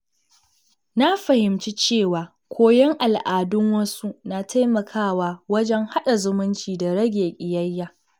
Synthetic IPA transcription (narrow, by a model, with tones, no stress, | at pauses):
na˦ɸɐ˨hɪ˨mt͡ʃi˦t͡ʃeː˦˨waː˨ | kʷoː˦jɛ˦ŋʔa˨lʔaː˨dʊ˦ŋwɐ˦su˦na˨tʰa˦jmɐ˨kʰaː˦˨waː˨wɐ˦d͡ʒɛ˦ŋha˦ɗa˨zʊ˦mʊ˦nt͡ʃiː˨da˨ɽɐ˦ɡʲeː˨kʲʼɪ˨jɐ˦jːaː˨